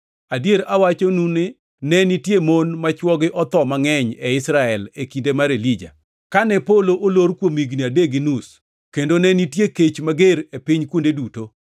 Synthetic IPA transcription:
adjeɾawat͡ʃonunɪ | nɛnitjemonmat͡ʃwɔɡɪʔɔt̪ɔmaŋɛɲɛɪsɾaɛlekindemaɾelid͡ʒa̰ | kanɛpoloʔoloɾkwomiɡniadeɡɪnus | kendonɛnitjeket͡ʃmaɡeɾepɪɲkwondeduto

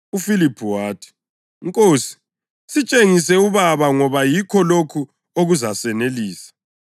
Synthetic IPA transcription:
ufilipʰuwaːtʰi̥ | ŋkʼoːsi̥ | sit͡ʃʼeŋis̬ɛuβaβaŋɔβajikʰɔlokʰu | oɣuzasɛneliːsḁ

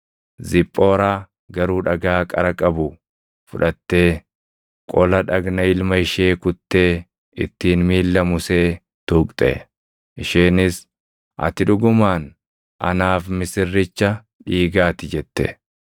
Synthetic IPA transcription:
zɪpʼːo̞ːɾaː | ɡɐɾuːᶑɐɡaːkʼɐ̰ɾɐkʼɐbʊ | fʊᶑɐt̪ːe̞ː | kʼɔlɐᶑɐɡnɐɪlmɐɪʃeːkʊt̪ːeː | ɪ̰t̪ːiːnmiːlːɐmʊseː | t̪uːkʼt̪ʼɛ̰ | ʔɪʃeːnɪs | ʔɐ̰t̪ɪᶑʊɡʊmaːn | ʔɐ̰naːfmɪsɪrːɪt͡ʃːɐ | ᶑiːɡaːt̪ɪd͡ʒɛt̪ːɛ̰

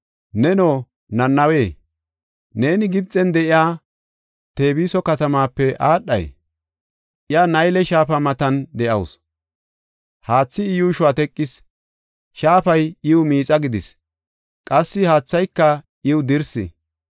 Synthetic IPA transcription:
nɛno̞ː | nɐnːɐweː | ne̞ːnɪɡɪb̚t͡sʼːɛnd̪ɛʔɪjaː | t̪e̞ːbiːsɔkɐt̪ɐmaːpːɛʔaːɗːɐ̰j | ʔɪjanɐjlɛʃaːfɐmɐt̪ɐnd̪ɛʔɐws | haːt͡sːɪɪjuːʃʊwaːt̪ɛkʼːɪs | ʃaːfɐjɪwʊmiːt͡sʼɐɡɪd̪ɪs | kʼɐsːɪhaːt͡sːɐjkːɐ | ʔɪwʊd̪ɪɾsɪ̰

